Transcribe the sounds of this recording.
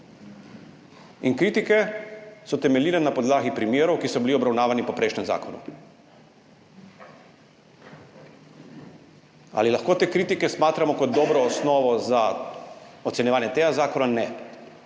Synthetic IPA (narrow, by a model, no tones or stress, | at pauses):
inkɾiːt̪ikɛsɔt̪ɛmɛljiːlɛnapɔd̪laːɡipɾimjeːɾɔwkisɔbiliɔbɾawnaːʋanipɔpɾejʃnɛmza̰ːkɔnṵ | a̰lilaxkoːt̪eːkɾiːt̪ikɛsmaːt̪ɾamɔkɔd̪ːɔːbɾɔːsnɔːʋɔza | ɔt̪sɛnjɛʋaːnjɛt̪eːɡazaːkɔnanɛ